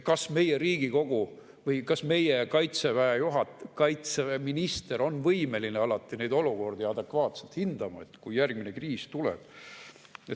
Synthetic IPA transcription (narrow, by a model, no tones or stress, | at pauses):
kɑsme̞jeɾiːɡ̥iko̞ɡ̥u | vɤjkɑsme̞jekɑjt̪se̞væejuɦɑt̪kɑjt̪seminist̪e̞ɾo̞nːvɤjme̞lineɑlɑt̪ːˑine̞jd̪o̞luko̞rd̪̥ijɑd̪e̞kvɑːt̪se̞lt̪hind̪̥ɑmɑet̪kujjærɡminekriːst̪ulɛ̰b̥ | e